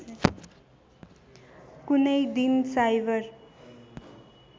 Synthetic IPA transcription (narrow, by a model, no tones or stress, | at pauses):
kunʌjd̪insajbʌr